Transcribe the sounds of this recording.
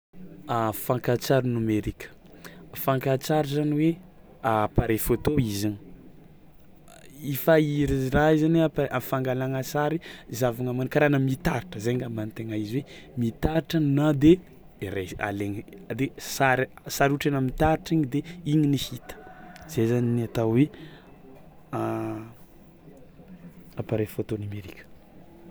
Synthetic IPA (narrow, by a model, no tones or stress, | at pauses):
afãŋkat͡saɾinameɾikə̥ | faŋkat͡saɾizaniwe | apaɾefot̪oizaɲi | ifaiɾizraizaneapaʔafaŋɡalaŋəsaɾizavaŋamankaɾanəmit̪aɾʈ͡ʂəzeŋɡamant̪eŋaiziwe | mit̪aɾʈ͡ʂannad̪e | ɾea̰leŋd̪esaɾsaɾuʈ͡ʂenəmit̪aɾʈ͡ʂiɲid̪eiɲinihit̪ə̥z̥ezaniniat̪awwe | a | apaɾefot̪onameɾikʲə̥